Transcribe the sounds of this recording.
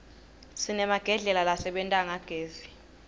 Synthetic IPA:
sinɛmaɡ̥ʱɛɮɛlalasɛɓɛntʼaŋaɡ̥ʱeːzi

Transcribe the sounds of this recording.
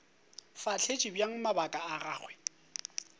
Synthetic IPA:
fat͡ɬʰet͡ʃʼibjaŋ̩mabakʼaaraːɣwɛ

